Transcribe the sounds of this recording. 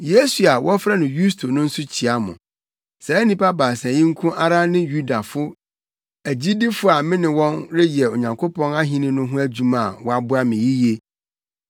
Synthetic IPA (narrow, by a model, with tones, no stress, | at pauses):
je˦su˨a˨wɔ˦fɾa˦nʊ̃˨ju˦stʰo˨nʊ̃˦n̩˦sʊ˦t͡ɕʰi˨a˦mʊ̰̃˨ | sɛ˨ɛ˦nĩ˦pa˦baː˨sɛ̃˨jɪ̃˦ŋ̩˦kʰʊ̃˦ʔa˦ɾa˦nɪ̃˦ju˦da˨fʊ˦ | æ˨d͡ʑi˦dɪ˦fʊ˦a˨mɪ̃˦nɪ̃˨wɔ̃˦nɾɪ˦jɛ˨o˨ɲã˨ŋkʰo˦pʰɔ̃˦na˦ɦĩ˦nɪ̃˦nʊ̃˦ɦʊ̃˦æ˦d͡ʑu˦mã˨wɔ˦a˦bʊ˦a˦mɪ̃˨ji˦je˦